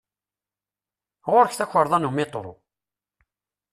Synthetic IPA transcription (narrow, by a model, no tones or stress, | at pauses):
ʁʊɾçθæçəɾˤðˤɑnumɪt̪ˤːɾˤo̰